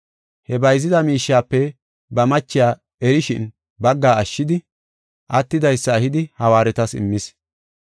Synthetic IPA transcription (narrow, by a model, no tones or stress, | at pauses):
hɛbɐjzɪd̪ɐmiːʃːaːpːɛ | bɐmɐt͡ʃːɪjaː | ɛɾɪʃɪ̰n | bɐɡːaːɐʃːɪd̪ɪ | ʔɐt̪ːɪd̪ɐjsːɐːhɪd̪ɪhɐwaːɾɛt̪ɐsɪ̰mːɪs